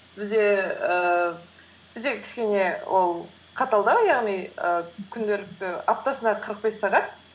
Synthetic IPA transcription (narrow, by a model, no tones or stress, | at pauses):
b̥ɪzd̪e̞ə | b̥ɪzd̪e̞kʲʰɪ̥ʃkʲe̞ne̞wʔo̞lˠ | qʰɑt̪ɑlˠd̪əjɑʁnijəkʲʰʏnd̪e̞lɪk̚t̪ɪap̚t̪ɑsənɑqʰəɾəq̚be̞sːɑʁɑt̪̚